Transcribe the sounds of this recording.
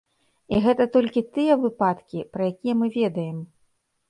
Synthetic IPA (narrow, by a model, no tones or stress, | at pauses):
iɣɛt̪ɐt̪ɔlʲkʲit̪ɨjɛvɨpat̪kʲipɾɐjakʲijɛmɨvʲɛd̪ɐjɛm